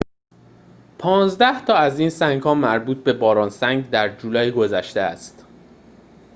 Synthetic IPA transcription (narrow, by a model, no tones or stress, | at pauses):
pʰɒːnzd̪æht̪ʰɒːæziːnsæŋɡhɒːmæɾbuːt̪̚be̞bɒːɾɒːnsæŋɡd̪æɾd͡ʒuːlɒːjɡo̞zæʃt̪eæst̪